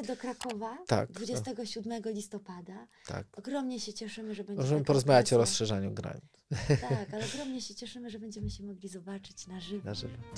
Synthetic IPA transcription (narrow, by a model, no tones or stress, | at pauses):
d̪ɔkɾakɔvat̪a̰kd̪vud͡ʑɛst̪ɛɡɔɕud̪mɛɡɔlʲist̪ɔpad̪at̪ʰa̰kɔɡɾɔmɲɛɕɛt͡ɕɛʂɘmɘʐɛbɛɲmɔʐɛmɘpɔɾɔzmavʲjat͡ɕɔɾɔsʂɛʐaɲuɡɾa̰ɲit̪t̪akalɛɔɡɾɔmɲɛɕɛt͡ɕɛʂɘmɘʐɛbɛɲd͡ʑɛmɘɕɛmɔɡlʲizɔbat͡ʂɘ̥t͡ɕnaʐɘvaʐɘ̰vɛ